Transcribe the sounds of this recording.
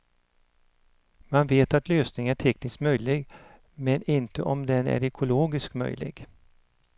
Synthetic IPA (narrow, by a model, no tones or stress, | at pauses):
manveːt̪at̪løːsnɪŋæʈʰɛknɪskmœjlɪɡ | mɛnɪnt̪ə̰ʔɔmd̪ɛnæ̰ɾɛkʰʊloːɡɪskmœ̰jlɪ̰ɡ